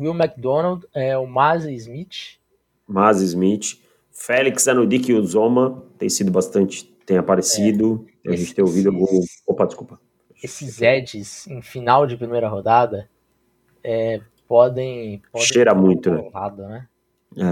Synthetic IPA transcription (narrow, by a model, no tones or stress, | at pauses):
wiwmak̚d̪õnawd̪ɛʊmaziizmit͡ʃ | mazizmit͡ʃɪ̥ | fɛliksɛnʊd̪ikiuzõmɐt̪ẽj̃sid̪ʊbast̪ɐ̃nt͡ʃɪ̥ | t̪ẽj̃apaɾesid̪ʊ | a̰ʒẽnt͡ʃɪt̪ẽowvid̪ʊaɡobopɐd͡ʒɪskupɐ | esɪzɛd͡ʒɪsẽj̃finawd͡ʒɪpɾimejɾɐɦod̪ad̪ɐ | ɛ | pɔd̪ẽj̃pɔʃeɾamũj̃t̪ʊnɛ̰ɦad̪ʊnɛ | ɛ